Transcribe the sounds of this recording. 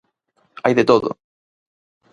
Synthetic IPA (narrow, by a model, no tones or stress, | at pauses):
ajðet̪oðo̰